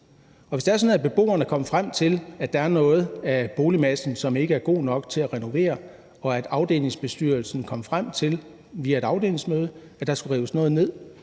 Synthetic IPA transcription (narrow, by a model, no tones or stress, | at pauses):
ɒ̽ʋesd̥ɑæɐsɒ̽n̩ˠæb̥e̝b̥o̝̰ːɐnəkʰɒ̽məfʁam̰t͡sʰe̝læ̥ɑ̈æɐnɔ̽ːð̞̩ˠæb̥o̝ːlimæsn̩sɒ̽me̝ɡ̥əæɐɡ̥o̝̰ːnɒ̽ɡ̥t͡sʰe̝læʁɛno̝ʋe̝̰ːɐ | ɒ̽æd̥ɑ̈ʊd̥e̝̰ːle̝ŋsb̥e̝sd̥yɐlsn̩kʰɒ̽m̰əfʁam̰t͡sʰe̝l | ʋiːæe̝ɾ̥ɑ̈ʊd̥e̝̰ːle̝ŋsmøːðˠə | æd̥ɑ̈sɡ̥uʁiʊəsnɔ̽ːð̞̩ˠne̝ð̞̰ˠ